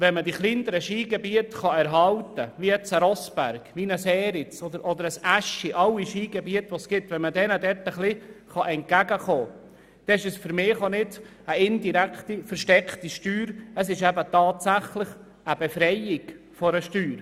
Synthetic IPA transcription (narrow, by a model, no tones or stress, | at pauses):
ʋɛnmədiχlind̪əɾəʃiːɡɛbiətχɑɛɾɦɑltəʋijɛt͡səɾɔsb̥æ̰ɾɡ̥ʋinəsɛːɾɪt͡sɔd̪əɾʔɔd̪əɾəsæʃiʔɑlːiʃiːɡ̥ɛbiətʋosɡ̥ɪtːʋɛnmədɛnədɛɾtəχliχɑʔɛnt̚ɡ̥æɡəχoː | d̪̥ɛɪʃəsfʏɾmɪːχonɪdəɪndiɾækχt̪ifəɾʃtɛkχtiʃtyːɾəsɪʃɛbətɑːt̪sæχlɪχ | əbefɾɛjɪɡ̥ | fɔɾəʃtyːɾ